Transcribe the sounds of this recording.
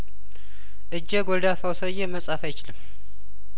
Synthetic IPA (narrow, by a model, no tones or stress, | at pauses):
ʔɨd͡ʒːeɡɔld̪afawsəjeməsʼafajːɪt͡ʃɪlɨm